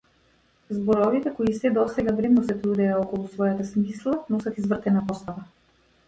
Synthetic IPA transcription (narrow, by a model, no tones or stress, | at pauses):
zbɔɾɔvit̪ɛkɔisɛd̪ɔsɛɡavɾɛmnɔsɛt̪ɾud̪ɛjaɔkɔlˠusvɔjat̪asmislˠanɔsat̪izvr̩t̪ɛnapɔst̪ava